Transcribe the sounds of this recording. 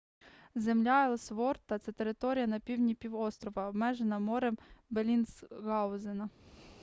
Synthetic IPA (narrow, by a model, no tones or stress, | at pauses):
zemlʲaɛlˠsʋɔrt̪ɐt̪sɛt̪eɾɪt̪ɔɾʲijɐnɐpʲiwnʲipʲiwɔst̪ɾɔʋɐɔbmɛʒenɐmɔɾɛmbelʲinsɣɑwzɪnɐ